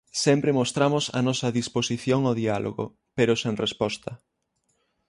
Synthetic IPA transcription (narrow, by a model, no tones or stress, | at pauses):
sɛmpɾemost̪ɾamʊsɐ̰nɔsɐðisposiθjoŋoðialʔo̰ɣo̰ | peɾʊseŋrespɔst̪ɐ